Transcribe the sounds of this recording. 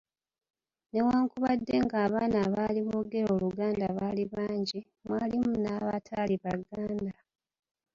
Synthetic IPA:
ne̞waːŋkuβadːe̞ŋɡaːβaːnaːβaːliβoɡe̞ɾo̞ːluɡaːndaβaːliβaːɲɟi | mwaːlimunaːβa̰tʰaːliβaɡaːnda

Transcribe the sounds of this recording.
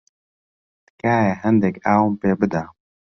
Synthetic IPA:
t̪kaːjɛɦɛnd̪ɛkaːwumpeːbɨd̪a

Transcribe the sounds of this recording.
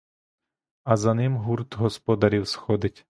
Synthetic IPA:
ɐzɐnɪmɦurt̪ɦɔspɔd̪ɐɾʲiwsxɔd̪ɪtʲ

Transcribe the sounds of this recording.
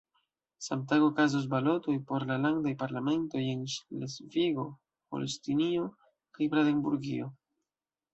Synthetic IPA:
samtaɡokazos̬balo̞to̞jpo̞ɾlalaŋdajpaɾlame̞nto̞je̞nʃlesviɡo̞ | po̰lestinio | kajbɾadembuɾɡḭo

